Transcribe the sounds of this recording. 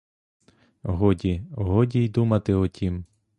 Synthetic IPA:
ɦɔdʲiɦɔdʲijd̪umɐt̪ɪɔtʲʰim

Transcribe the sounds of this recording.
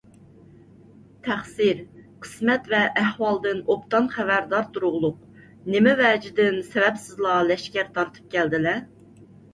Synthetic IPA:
t̪ʰæχsiɾqʰə̥smɛt̪vɛʔːhwɑlˠd̪ɨnopt̪ɑnχævæɾd̪ɑɾt̪uɾʊʁlˠʊq̚ | nɪmɪvɛːd͡ʒɪd̪ɪnsɛvɛpsɪzlˠɑlɛʃkʲæɾt̪ʰɑɾt̪ʰɨ̥p̚kʲæld̪ɪlɛ

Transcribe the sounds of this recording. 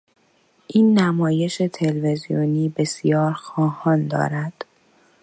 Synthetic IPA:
ʔiːnːæmɒːje̞ʃe̞t̪ʰe̞lve̞zijo̰niːbe̞sijɒːɾxɒːhɒːnd̪ɒ̰ːɾæd̪̥

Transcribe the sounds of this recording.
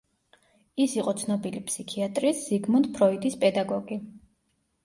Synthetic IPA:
isiqʼɔt̪sʰnɔbilipʰsikʰiat̪ʼɾisz̥iɡmɔnd̪pʰɾɔid̪ʼispʼɛd̪aɡɔɡi

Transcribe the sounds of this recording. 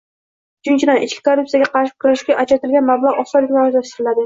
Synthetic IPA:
ʊt͡ʃʰʊnt͡ʃʰɪd̪anʔɪt͡ʃkʲɪ̥kʰorːup̚sijaɡʲaqʰɑɾʃɪ̥kʰʊɾaʃɡʲaʔat͡ʃʰat̪ɪlɡʲanmablˠaʁɒsɒlːɪɡʲnaozlaʃt̪ɪɾɪlad̪ɪ

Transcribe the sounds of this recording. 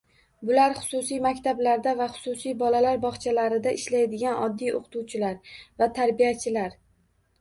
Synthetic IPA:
bʊlaɾχʊ̥sʊsijmakʲt̪ʰablaɾd̪avaχʊ̥sʊsijbɒlalaɾbɒχt͡ʃʰalaɾɪd̪aʔɪʃlajd̪ɪɡʲanɒ̰d̪ːijo̰qʰt̪ʰuwt͡ʃʰɪlaɾvat̪ʰaɾbijat͡ʃʰɪlaɾ

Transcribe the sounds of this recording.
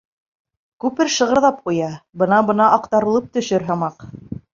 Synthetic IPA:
kʉpɘɾʃɤ̆ʁɤ̆ɾðɑp̚qujɑbɤ̆nɑbɤ̆nɑʔɑqt̪ɑɾɤ̆lˠɤp̚t̪ɵ̆ʃɵɾɦɑ̆mɑq

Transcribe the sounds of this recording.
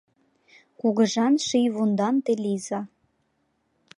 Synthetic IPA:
kuɣə̆ʒɑnʃijβund̪ɑnt̪elizɑ

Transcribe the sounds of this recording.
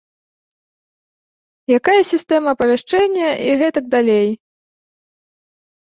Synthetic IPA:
jakajɐsʲist̪ɛmɐːpɐvʲaʂt͡ʂɛnʲːɐʔiɣɛt̪ɐɡ̚d̪alʲej

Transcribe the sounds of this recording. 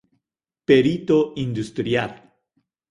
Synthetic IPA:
peɾit̪oʔind̪ust̪ɾjal

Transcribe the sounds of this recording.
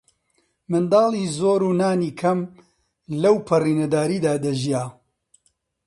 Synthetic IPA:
mɨnd̪ɑːlˠiːzoːɾuːnaːniːkʰɐm | lɐwpʰɐriːnɐd̪aːɾiːd̪aːd̪ɐʒijaː

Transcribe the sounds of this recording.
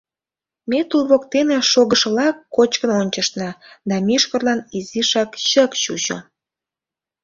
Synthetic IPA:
met̪ulβokt̪eneʃoɣəʃəlɑkːot͡ɕkənonʲt͡ɕəʃt̪nɑd̪ɑmiʃkə̆rlɑniziʃɑkɕəkɕuʒo̰

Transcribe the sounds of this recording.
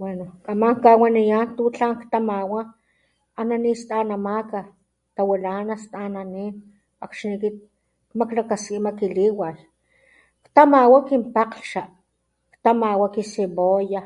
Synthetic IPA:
wenokamaŋkawanijant̪ut͡ɬaŋkt̪amawaː | nanist̪anamaka | t̪awilanast̪ananiːn | akʃnikit̪̚ | maklakaskimakiliwaj | kt̪amawakimpaqɬʃa | kt̪amawakisiboja

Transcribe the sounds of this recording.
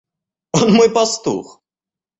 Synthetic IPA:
onmojpɐst̪ṵx

